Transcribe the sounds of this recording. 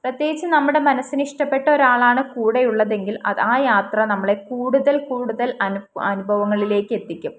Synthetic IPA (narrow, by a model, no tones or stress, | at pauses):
prɐt̪jeːɡit͡ɕːɨnɐmːuɽe̞mɐnɐsːiniʂʈɐpːe̞ʈːɐo̞ɾaːɭaːɳɨkuːɽejuɭːɐðe̞ŋɡilɐ̰ðaːjaːt̪rɐnɐmːɐɭe̞kuːɽuðɐlkuːɽuðɐlɐnuɐnubʱɐʋɐŋːɐɭile̞ːkːɨe̞t̪ːikʲːum